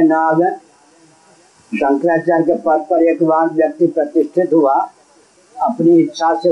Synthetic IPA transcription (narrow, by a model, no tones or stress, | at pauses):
nabə | sə̃ŋkɾaːt͡ʃaːɾkepət̪pəɾeːkʋaːk̪ʋjək̚t̪ipɾət̪ɪsʈʰɪt̪ɦua | ɐpniɪt̪ːʃʰase